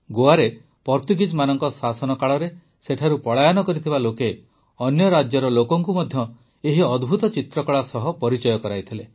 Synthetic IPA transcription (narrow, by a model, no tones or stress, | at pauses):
ɡoaɾe | pɔɾt̪uɡid͡ʒmanɔŋkɔsasɔnɔkaɭɔɾe | seʈʰaɾupɔɭajɔnɔkɔɾit̪ʰibaloke | ɔnjɔɾad͡ʒjɔɾɔlokɔŋkumɔd̪ʱjɔ | eɦiɔd̪ʱbʱut̪ɔt͡ʃit̪ɾɔkɔɭasɔɦɔpɔɾit͡ʃɔjɔkɔɾajt̪ʰile